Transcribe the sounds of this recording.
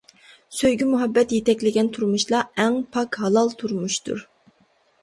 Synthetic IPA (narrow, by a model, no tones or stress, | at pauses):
søjɡʲimuɦɛbːɛt̪jet̪ɛkʲlɪɡʲɛnt̪ʰuɾmuʃlˠɑɛŋpʰɑkhɑlˠɑlˠt̪ʰuɾmuʃt̪ṵɾ